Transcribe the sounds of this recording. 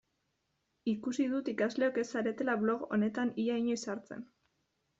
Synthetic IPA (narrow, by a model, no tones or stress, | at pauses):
ikusiðut̪ikazle̞o̞ke̞saɾe̞t̪e̞laβlo̞ɣo̞̰ne̞t̪anijaiɲo̞isaɾt͡se̞̰n